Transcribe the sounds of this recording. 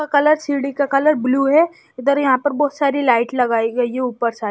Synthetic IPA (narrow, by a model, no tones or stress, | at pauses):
akɐləɾsiːɽikakɐləɾbluːɦɛ | ɪd̪əɾjɐɦãpɐɾbɔːt̪saːɾilaːɪʈlɐɡaːiɡɐiɦɛ̃uːpəɾsaː